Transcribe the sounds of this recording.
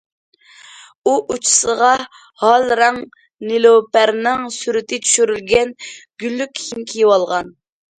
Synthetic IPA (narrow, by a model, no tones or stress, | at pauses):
uʔut͡ʃʰi̥səʁɑ | hɑlɾɑŋ | nilˠopæɾnɪŋsyɾɪt̪ʰɪt͡ʃ̪ʰy̥ʃyɾylɡʲɛnɡ̥ʲylːykʲhimkʲʰijewɑlˠʁɑn